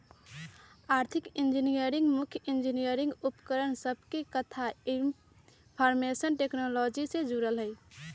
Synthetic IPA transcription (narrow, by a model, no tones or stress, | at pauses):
aɾt̪ʰikind͡ʒinijəɾiŋɡmukʰjind͡ʒinijəɾĩŋɡupkəɾəɳsəb̚ʱkekət̪ʰaim | pʰɔɾmesənʈeknolɔd͡ʒised͡ʒuɾəlɦəɪ